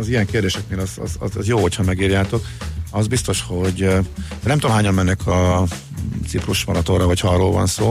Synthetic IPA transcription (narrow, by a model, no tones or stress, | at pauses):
ɒzijɛŋkeːrd̪eːʃɛk̚meːlɒzɒ̰zɒ̰zɒ̰zjoːhocʰhɒmɛɡiːɾjaːt̪o̞k | ɒzbist̪o̞ʃho̞ɟnɛmt̪omɦaːɲɒmːɛnːɛkʰɒ | t̪sipruʃmɒɾɒt̪orɒɦochɒɒrːoːlvɒ̰nsoː